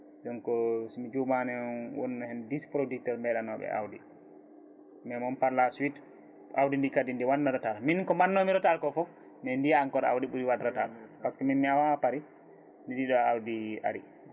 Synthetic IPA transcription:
d͡ʒɔnkɔsimid͡ʒumanɛwɔ̰nːɔhɛndispɾodik̚tɔɾmɛɗanɔɓɛ̰ʔa̰wdi | mɛmɔnpaɾlaswit | ʔawdindikadindiwanːɔɗɔtaɾminkɔmanːomiɾɔtalkɔfɔ | mɛndiaŋkɔɾa̰wdiɓuɾiwadɾatalpaskɔminmiawapaɾi | ndiɗiɗɔawdia̰ɾi

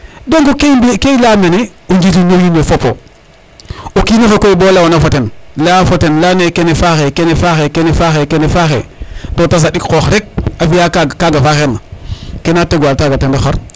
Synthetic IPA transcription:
doŋɡokebkejlameneuɲd͡ʒitinojimbefopːo̰ | okinofokojbolawonafotenlafotenlanekenefaxekenefaxekenefaxekenefaxḛtotas̬aɗikkoxɾek̚afijakkaɡafaxeɾnakenateɡaltaɡatendexo̰ɾ

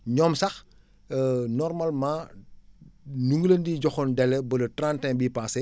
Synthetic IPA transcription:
ɲɔmsɐx | nɔrmalmãː | nuŋɡəlɐndiːɟɔxɔndɛlːɛbɐlɐtrantɛŋbiːpaːsɛ

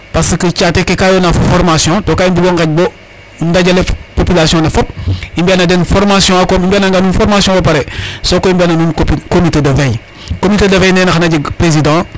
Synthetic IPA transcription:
pasəkət͡ʃatekekajonaffɔɾmasjɔ̃tokaimbiɡoŋkaɟ̚bo | ndaɟalepopilasiɔ̃nefɔp̚imbianadenfɔɾmasjɔ̃akomimbianaŋɡanunfɔɾmasjɔ̃bopaɾesokoimbananunkopikomitedəvej | komitedɐvejnenaxanaɟipɾezidã

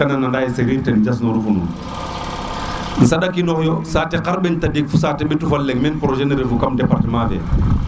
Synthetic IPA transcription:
ananandajeseɾiːtend͡ʒas̬noɾufunṵːn | n̩sadakinɔhjosaːteqaɾbentadikfus̬atebitufalːekmenpɾoʒeneɾefukamdepaɾtemafḛ

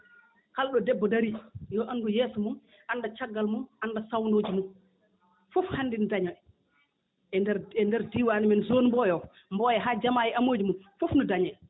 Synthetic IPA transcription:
kalɗɔdɛbːɔdaɾijɔʔanɡujeːsumun | ʔandat͡ʃaɡːalmunʔandasawnoːd͡ʒimun | fɔfhanːdindaɲɔ | ɛdɛɾɛndɛɾdiwaːnimɛnzonmbɔjɔ | mbɔjɛɦaːd͡ʒamajɛamoːd͡ʒimunfofnɔdaɲɛj

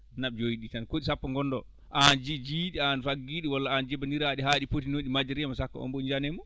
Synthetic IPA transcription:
naɓd͡ʒojiɗitankoɗisapːaŋɡɔnːdɔ | ʔand͡ʒid͡ʒiɗianfaɡːiɗiwalːaand͡ʒɛbandiɾaɗiɦaɗipotinoɗimad͡ʒaɾiamasakːa̰ɔ̰mbɔɲd͡ʒanɛmu

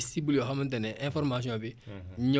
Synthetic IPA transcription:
sibuloɦamãnt̬ɛnɛʔɛ̃fɔɾmas̬ĩɔ̃beɲɔ

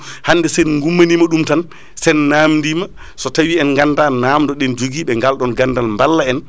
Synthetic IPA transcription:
handɛsɛnŋɡumːanimaɗumtan | sɛnːamndiːma | sɔtawiɛnŋɡandanaːmdɔɗɛnd͡ʒoɡiːɓɛŋɡalɗɔnɡandalmbalːaɛn

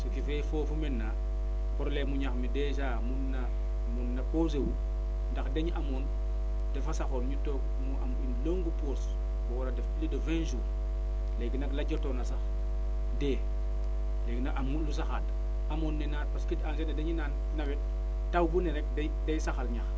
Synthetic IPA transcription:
sokifefofumenːa | poɾlemuɲaxmideʃaːmunːa | munːapoz̬ewu | ndaxdeɲʔamon | defasaxonɲutok | muʔa̰minloŋɡupos | woɾadeflidofenʃuː | leɡinaklaɟotonas̬ax | deː | leːɡinaʔamulus̬axat | amonːenat̚paskitansenadeɲinan | nawet | tawbuneɾek̚de | dejsaxalɲax

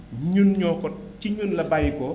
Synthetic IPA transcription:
ɲunɲɔːkɔt̚ciɲunlɐbajkɔ

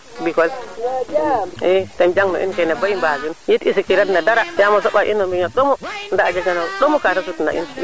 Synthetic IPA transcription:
bikɔl | ɛtɛmd͡ʒaŋnɔ̰ʔḭnkɛnɛbaimbad͡ʒunjitisikiɾadnadaɾajamasɔɓaʔḭnːɔmbiɲɔɗɔmɔndaːd͡ʒaɡanaɗɔmukatas̬utna̰ʔḭn

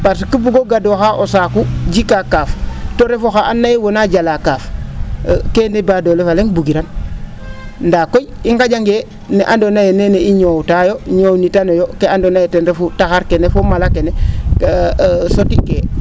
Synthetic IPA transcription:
paɾs̬ikibuɡoɡadoxaʔosakud͡ʒikakaftoɾefoxaʔanːajewonad͡ʒalakaf | kenebadolefaleŋbuɡiɾan | ndakojiŋɡad͡ʒaŋɡe | neʔandonajeneneiɲowtajoɲownitanojokeandonajetenɾefutaxaɾkenefomalakene | sotike

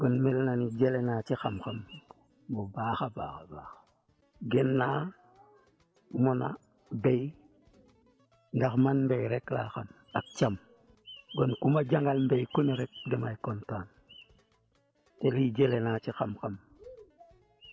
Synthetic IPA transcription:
ɡ̥onmelnanid͡ʒelenat͡ʃixamxam | bobaxaba̰ːxabaxḁ | ɡenːa | mona̰ | bej | ndaxmanmbejɾekla̰xam | ak̚t͡ʃam | ɡonkumaɟaŋɡalmbejkuniɾek̚demajkontaːn | telid͡ʒelenat͡ʃixamxam

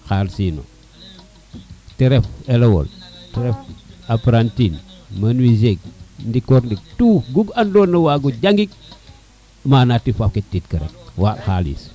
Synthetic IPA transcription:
xalsiːno̰ | teɾefelewo̰lteɾefapɾantinmanwizeɡ̚ndikoɾndik̚tuːɡuɡandoːnːɐwaːɡuɟaŋɡik̚ | manatːifafketːitkəɾḛk̚waxalḭs

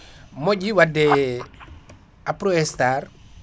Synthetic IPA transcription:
moɟiwadɛ | apɾɔɛstar

